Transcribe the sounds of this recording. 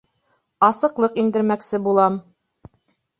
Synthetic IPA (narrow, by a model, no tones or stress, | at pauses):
ɑsɤ̆qlˠɤqind̪ɘ̆ɾmæksɘbulˠɑm